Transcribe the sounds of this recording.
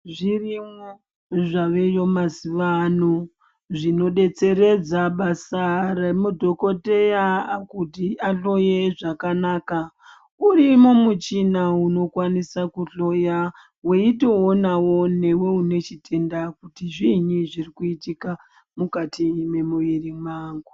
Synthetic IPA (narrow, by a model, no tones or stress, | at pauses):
ʐirimo | ʐaʋe̞jo̞masiʋano | ʐino̞ɗe̞t͡se̞ɾe̞d͡zaɓasaremudʱo̞ko̞te̞jakutiaɬo̞je̞ʐakanaːka | urimomut͡ʃinauno̞kwanisakuɬo̞ja | weitoonawo̞ne̞we̞une̞t͡ʃitʰe̞ndakutiʐiɲiʐirikuitika | mukatime̞muʋirimaːŋɡu